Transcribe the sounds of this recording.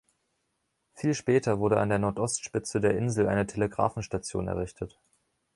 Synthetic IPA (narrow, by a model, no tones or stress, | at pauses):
fiːlʃpɛːtɐvʊɐɾəʔa̰ndeːɐnɔɐtʔɔstʃpɪt͡sədeːɐʔɪnzl̩ʔa̰ɪnətʰeləɡʁa̰ːfn̩ʃtat͡sjo̰ːnɛ̰ɐʁɪçtʰət